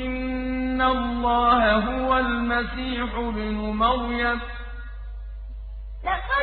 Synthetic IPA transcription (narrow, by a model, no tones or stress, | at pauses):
ʔɪnːalˤːɑːhaɦʊwalmasiːħʊbɪnʊmaɾjad